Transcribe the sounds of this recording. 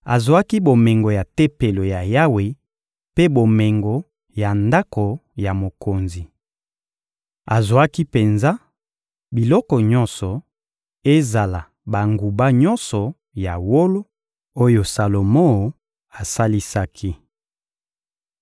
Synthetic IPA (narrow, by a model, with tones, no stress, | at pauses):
a˨zwa˦ki˦bo˨me˨ŋɡo˨ja˨tɛ˦pe˨lo˨ja˨ja˦we˨ | pe˦bo˨me˨ŋɡo˨ | ja˨nda˦ko˨ja˨mo˨ko˨nzi˨ | a˨zwa˦ki˦pe˨nza˦ | bi˨lɔ˦kɔ˨ɲɔ̃˦nsɔ˨ | e˦za˨la˨ | ba˨ŋɡu˨ba˦ɲɔ̃˦nsɔ˨ | ja˨wo˦lo˦ | o˦jo˨sa˨lo˨mɔ˦˨ | a˨sa˦li˦sa˦kʰi˦